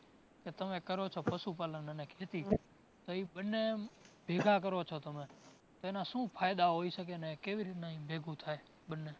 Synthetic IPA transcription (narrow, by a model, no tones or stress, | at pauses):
ket̪əmẽkəɾot͡ʃʰopəsupaːlənənekʰet̪iː | t̪oiɓənːebʱeːɡʱak̬əɾot͡ʃʰot̪əmẽ | t̪oenãsũːpʰaːjd̪aɦoisəkenekeʋiɾit̪naĩbʱeːɡʱũt̪ʰaːe | ɓənːe